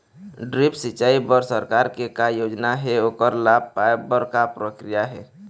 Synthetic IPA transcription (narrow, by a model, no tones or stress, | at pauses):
ɖɾipsit͡ʃaibəɾsəɾkaɾkekajod͡ʒnaɦɛoːkəɾlab̚ʱpaebəɾkapɾəkɾijaɦɛ